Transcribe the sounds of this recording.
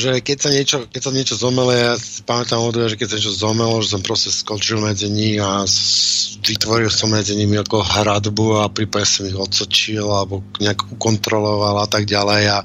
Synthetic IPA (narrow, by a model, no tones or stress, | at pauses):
ʒɛkɛcsaɲɪɛt͡ʃɔkɛcsaɲɪɛt͡ʃɔzɔmɛlɔjasi̥pamɛt̪amɔd̪ɔʋɛʒɛkɛcsaɲɛt͡ʃɔzɔmɛlɔʒɛs̬ɔmpɾɔscɛskɔt͡ʃilmɛd͡ziɲima | ʋit̪ʋɔɾilsɔmmɛd͡ziɲimiakɔɦɾad̪buapɾipaɟɛsɔmiɣɔt̪sɔt͡ʃilalɛbɔɲɛakukɔnt̪ɾɔlɔʋalat̪aɡɟalɛja